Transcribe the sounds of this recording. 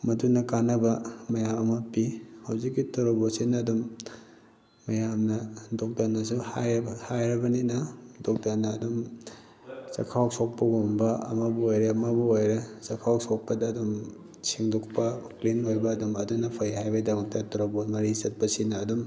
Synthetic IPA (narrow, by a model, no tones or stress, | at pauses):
mɐdunɐkanɐbɐmɐjamɐmɐpihawzikːitɔɾobosinɐːdum | ɐjamnɐdok̚dɐnːɐs̬uhajhajɾɐbɐninɐdok̚danɐːdum | sɐ̰kʰaw̚sok̚pɐɡumbɐɐ̰mɐbuojɾɐɐmɐbuojɾɐsɐkʰaw̚sok̚pɐdɐːdum | sʰiŋduk̚pɐklinojbɐːdumɐdunːɐpʰɐjɦajbɐdɐmɐk̚tɐtoɾobomɐɾisɐt̚pɐsinɐːdum